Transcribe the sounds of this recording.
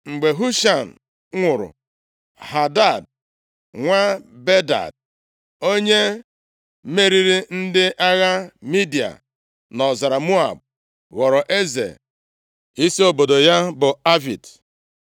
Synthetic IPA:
ŋ͡m̩˨ɡ͡be˨ɦu˦ʃa˨n̩˨ | ŋʷʊ˨ɾʊ̰˨ | ha˨da˦˨d̚ | ŋʷa˦be˦da̰˨d̚ | o˦ɲe˦ | me˦ɾi˦ɾi˦n̩˦dɪ˦ʔa˦ɣa˦mi˦di˨a̰˨ | nɔ˨za˨ɾa˨mu˦a̰˨b̚ | ɣɔ˨ɾɔ˨ʔe˦zḛ˨ | i˦si˦o˦bo˨do˨ja˦bʊ˨a˦vi˨t

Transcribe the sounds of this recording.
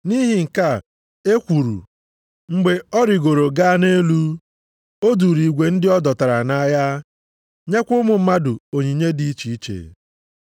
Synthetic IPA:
ni˦ɦi˨ŋ̩˨ka˦˨ | e˦kʷu˨ɾṵ˨ | ŋ͡m̩˦ɡ͡be˨ɔ˦ɾɪ˨ɡo˨ɾo˨ɡa˦ne˦lu˦ | o˦du˨ɾi˨ɡʷe˨n̩˦dɪ˦ɔ˦dɔ˨ta˨ɾa˨na˦ja˦ | ɲe˦kʷʊ˦mʊ˨m̩˦ma˦dʊ˨o˨ɲi˨ɲe˦di˦i˦t͡ʃi˨i˦t͡ʃḛ˨

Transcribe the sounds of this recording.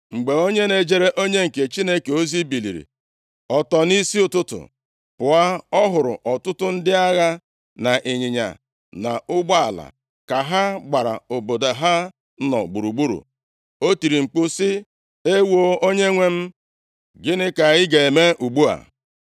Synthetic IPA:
ŋ͡m̩˨ɡ͡be˨o˦ɲe˦ne˨d͡ʒe˦ɾe˦ʔo˦ɲe˦ŋ̩˨ke˨t͡ʃi˦ne˦ke˨o˦zi˦bi˨lḭ˨ɾḭ˨ | ɔ˨tɔ˨ni˦si˦ʊ˨tʊ˦tʊ̰˨ | pʊ˨a˦ɔ˦ɦʊ˨ɾʊ̰˨ʔɔ˨tʊ˦tʊ˦n̩˦dɪ˦a˦ɣa˦ | na˨ʔe˨ɲɪ˨ɲa̰˨ | na˨ʊ˦ɡ͡ba˦a˨la̰˨ | ka˨ɦa˦ɡ͡ba˨ɾa̰˨o˨bo˨da˨ɦa˦ | nɔ̰˨ɡ͡bu˨ɾu˨ɡ͡bu˦ɾṵ˨ | o˦ti˨ɾi˨ŋ͡m̩˨k͡pʊ˦sɪ˦ | e˦wo˦o˦ɲe˦ŋʷe˦m̩˦ | ɡɪ˦nɪ˦ka˨ɣɪ˦ɡe˨e˨me˦ʔu˨ɡ͡bu˦a̰˨

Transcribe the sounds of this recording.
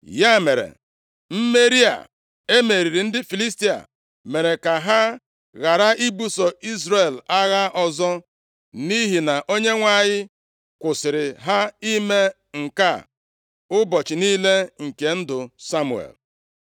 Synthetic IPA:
ja˦˨me˨ɾḛ˨ | m̩˦me˦ɾi˦a̰˨ | e˦me˨ɾi˨ɾi˨n̩˦dɪ˦fi˨li˦s̬ti˦a̰˨ | me˨ɾe˨ka˨ɦa˦ | ɣa˨ɾa˦ʔi˦bu˦sɔ˨i˦zɾe˨la˦ɣa˦ʔɔ˨zɔ˦ | ni˦ɦi˨na˨ʔo˦ɲe˦ŋʷa˦˨ɲɪ˦ | kʷʊ˨sɪ˨ɾɪ˨ɦa˦i˦me˦ | ŋ̩˨ka̰˦˨ | ʊ˦bɔ˨t͡ʃɪ˨niː˦le˦ŋ̩˨ke˨n̩˦dʊ˨sa˦mṵ˨ḛ˨l

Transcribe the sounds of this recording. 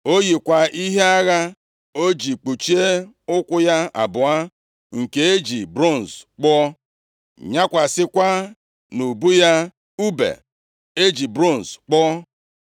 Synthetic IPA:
o˦ji˨kʷa˨i˦ɦe˦a˦ɣa˦ | o˦d͡ʒi˨k͡pu˨t͡ʃi˦e˦ | ʊ˦kʷʊ˦ja˦a̰˨bʊ˨a˦ | ŋ̩˨ke˨e˦d͡ʒi˨bɾo˦˨n̩˨sk͡pɔ˦ | ɲa˦kʷa˨sɪ˦kʷa˦ | nu˨bu˦ja˦ | u˦bḛ˨ | e˦d͡ʒi˨bɾo˦n̩˨sk͡pɔ˦

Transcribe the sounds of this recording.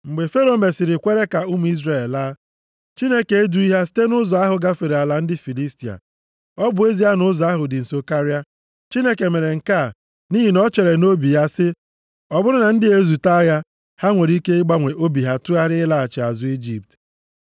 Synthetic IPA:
ŋ͡m̩˨ɡ͡be˨fe˦ɾo˨me˨sɪ˨ɾɪ˨kʷe˦ɾe˦ka˨ʊ˦m̩˨i˦zɾe˨llaː˦ | t͡ʃi˦ne˦ke˨e˦du˦i˦ɦa˦si̥˦te˦nʊ˦zɔ˨a˦ɦʊ˨ɡa˦fe˨ɾe˨a˨la˨n̩˦dɪ˦fi˨li˦sti˨a̰˨ | ɔ˦bʊ˨e˦zi˦a˦nʊ˦zɔ˨a˦ɦʊ˨dɪ˨n̩˨so˦ka˦ɾa˦ | t͡ʃi˦ne˦ke˨me˨ɾe˨ŋ̩˨ka˦˨ | ni˦ɦi˨nɔ˦t͡ʃe˨ɾe˨no˦bi˨ja˦sɪ˦ | ɔ˨bʊ˦ɾʊ˦na˨n̩˦dɪ˦e˦zu˨ta˦ja˦ | ha˦ŋʷe˨ɾi˦ke˦ɪ˦ɡ͡ba˦ŋʷe˨ʔo˦bi˨ɦa˦tu˦a˦ɾɪ˦la˦a˨t͡ʃɪ˨a˨zʊ˨˦i˦d͡ʒi˨p̚t

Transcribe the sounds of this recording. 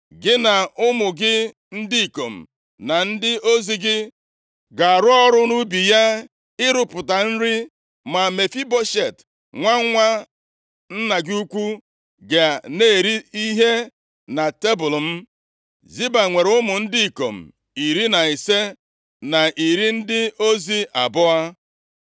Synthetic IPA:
ɡɪ˦na˨ʊ˦mʊ˨ɡɪ˦ | n̩˦dɪ˦i˨ko˨m̩˨ | na˨n̩˦dɪ˦o˦zi˨ɡɪ˦ | ɡa˨a˨ɾʊ˦ɔ˦ɾʊ˦nu˦bi˨ja˦ | ɪ˦ɾʊ˨pʊ˨ta˨n̩˦ɾɪ˦ | ma˨me˨fi˦bo˦ʃe˨t | ŋʷa˦ŋ˦ŋʷa˦ | n̩˦na˨ɡu˦kʷu˦ | ɡe˨a˨ne˦˨ɾi˦i˦ɦe˦ | na˨te˦bʊ˨lm̩˦ | zi˦ba˨ŋʷe˨ɾʊ˦mʊ˨n̩˦di˦i˨ko̰˨m̩˨ | i˨ɾi˦na˨i˨se˦ | na˨ʔi˨ɾi˦n̩˦dɪ˦o˦zi˦ʔa˨bʊ˦a˦

